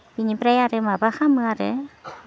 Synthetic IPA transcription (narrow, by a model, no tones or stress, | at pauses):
iɲipɾajaɾɯmabaxamɯaɾɯ̰